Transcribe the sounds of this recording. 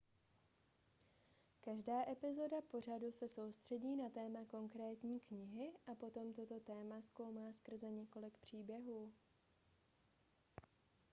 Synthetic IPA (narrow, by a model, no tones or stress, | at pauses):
kaʒdaːʔɛpɪzo̞dapo̞r̝adusɛso̞wst̪r̝̥ɛɟiːnat̪ɛːmako̞ŋkɾɛːt̪ɲiːkɲɪɦɪʔapo̞t̪o̞mt̪o̞t̪o̞t̪ɛːmasko̞wmaːskr̩zɛɲɛko̞lɪkpr̝̥iːbjɛɦuː